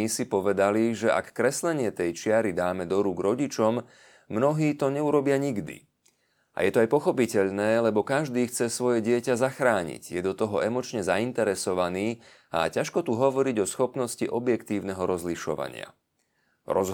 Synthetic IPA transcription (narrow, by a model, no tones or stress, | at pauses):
isipɔʋɛd̪aliʒɛa̰kːɾɛslɛɲɪɛt̪ɛjt͡ʃɪaɾid̪aːmɛd̪ɔɾuːɡɾɔɟit͡ʃɔmː | nɔɦiːt̪ɔɲɛuɾɔbɪaɲiɡd̪ḭ | ʔa̰jɛt̪ɔajpɔxɔpicɛʎnɛːlɛbɔkaʒd̪iːxt͡sɛsʋɔjɛɟɪɛcazaxɾaːɲḭɟjɛd̪ɔt̪ɔɦɔɛmɔt͡ʃɲɛzaint̪ɛɾɛsɔʋaniː | a̰caʃkɔt̪uɦɔʋɔɾiɟɔsxɔpnɔsciʔɔbjɛkt̪iːʊnɛɦɔɾɔzliʃɔ̰ʋa̰ɲɪa̰ | ɾɔz